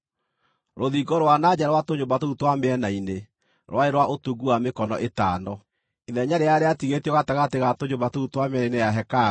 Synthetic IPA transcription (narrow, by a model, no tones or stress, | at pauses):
ɾoðiɡɔɾwanad͡ʑaɾwatoɲombatoutwamɛnaine | ɾw̰aeɾwaʔotuɡuamekɔnɔʔetaːnɔ | iðɛɲaɾeaɾeatiɣetiɔɣatɛɣateɣatoɲobatoutwamɛnainejaɦɛka